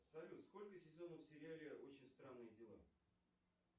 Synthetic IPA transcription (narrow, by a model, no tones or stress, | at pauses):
sɐlʲut̪sko̞lʲkəsʲɪzo̞nəfsʲɪɾʲɪalʲɪo̞t͡ɕɪnʲst̪ɾanːɨjədʲɪlˠa̰